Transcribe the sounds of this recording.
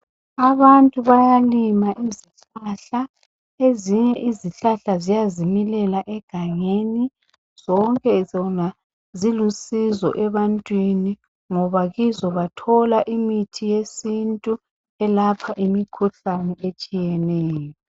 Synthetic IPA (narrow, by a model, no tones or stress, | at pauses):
aβantʼuβajalimaʔiziɬaɬa | eziɲɛʔiziɬaɬazijazimilɛlaʔɛɡ̥ʱaɲeni | z̥ɔŋkʼɛɔna | zilusizɔ̰ʔɛβantʼwini | ŋɔβaɣizɔβatʰɔlaʔimitʰijesintʼu | ɛlapʰaʔimikʰuɬanɛet͡ʃʼijɛnɛːjɔ